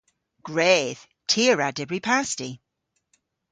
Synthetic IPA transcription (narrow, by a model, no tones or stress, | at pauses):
ɡ̥ɹɛːð̥ | tʰiəɹadɛbɹipʰasti